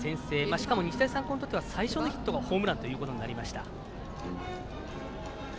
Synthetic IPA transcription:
sẽ̞ɰ̃se̞ːmaɕi̥kamo̞ɲ̟it͡ɕi̥t̪aisãŋko̞not̪o̞t̪ːeasaiɕo̞no̞çʲi̥t̪ːo̞ɡaho̞ːmɯ̟ɾãnt̪o̞jɯ̟ːkot̪o̞ɲnaɾʲimaɕi̥t̪a̰

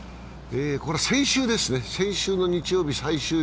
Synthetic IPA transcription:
eːko̞ɾe̞sẽ̞ɰ̃ɕɨːd̪e̞sɨne̞sẽ̞ɰ̃ɕɨːno̞ɲ̟it͡ɕijo̞ːbʲisaiɕɨː

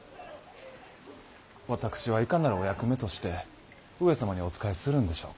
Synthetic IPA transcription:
βat̪akɯ̟̥ɕiβaikanaɾɯ̟o̞jakɯ̟me̞t̪o̞ɕi̥t̪e̞ | ɯ̟e̞samaɲ̟io̞t͡sɨ̥kaisɨɾɯ̟̃nd̪e̞ɕo̞̰ːk

